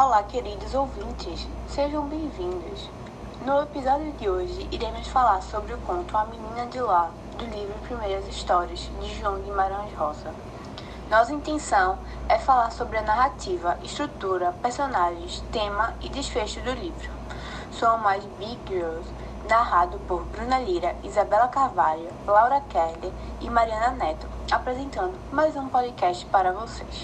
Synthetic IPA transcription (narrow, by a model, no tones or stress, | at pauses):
olakeɾid̪ʊzowvĩnt͡ʃ̪ɪsseʒɐ̃w̃bẽj̃vĩnd̪ʊs | nʊepizɔd̪jʊd̪ɪoʒɪiɾẽmʊsfalaɾsobɾɪʊkõnt̪ʊɐmĩnĩnɐd̪ɪla | d̪ʊlivɾʊpɾimejɾɐziʃt̪ɔɾiɐzd̪ɪʒuɐ̃w̃d̪ɪmaɾɐ̃ʒɦɔzɐ | nɔsɐĩnt̪ẽsɐ̃w̃ | ɛfalaɾsobɾɪɐnaɦat̪ivɐʔiʃt̪ɾut̪uɾɐpeɾsõnaʒẽst̪ẽmɐid̪isfeʃʊd̪ʊlivɾʊ | soɐmajzbiboz | naɦad̪ʊpoɾbɾũnɐliɾɐizabɛlɐkaɾvaʎʊ | lawɾɐkɛhd̪e | ɪmaɾiɐ̃nɐnɛt̪ʊ | apɾɛzẽnt̪ɐ̃nd̪ʊmajzũpɔd̪ɪkɛʃt͡ʃɪ̥paɾɐvoses